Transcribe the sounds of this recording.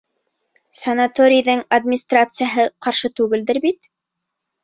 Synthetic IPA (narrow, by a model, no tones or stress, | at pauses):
sɐnat̪oɾʲɪjðɤŋɐd̪mʲɪnʲist̪rat̪sɨjaɦɤqɑɾʃɤt̪ʉɡɘld̪ɘɾbit̪